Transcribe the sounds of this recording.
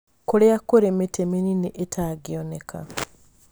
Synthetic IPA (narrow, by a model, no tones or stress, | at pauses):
koleakoɾemetemeniniʔetʰaɡionekʰa̰